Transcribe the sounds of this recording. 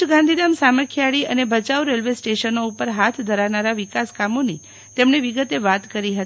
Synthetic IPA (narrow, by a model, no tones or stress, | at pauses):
ɡãnd̪ʱid̪amsaməɾkʰjaɭiənebʱət͡ʃaʋɾelʋesʈeʃənoupəɾɦat̪ʰd̪ʱəɾaʋnaɾaʋikaskamoni | t̪emɳeʋiɡət̪eʋat̪kəɾiɦət̪ii